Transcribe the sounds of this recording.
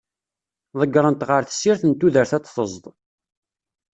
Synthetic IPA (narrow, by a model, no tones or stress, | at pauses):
ðˤəɡːɾˤənt̪ʁəɾθə̥sːiɾθənt̪ːuðəɾθæt͡sθəzˤd̪ˤ